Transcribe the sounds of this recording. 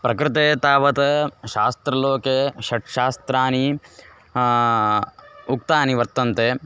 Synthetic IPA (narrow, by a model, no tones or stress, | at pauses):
pɾɐkɾɪt̪eːt̪aːʋɐt̪ɐʃaːst̪ɾɐloːkeʃɐʈʃaːst̪ɾaːni | ukt̪aːniʋɐɾt̪ɐnt̪eː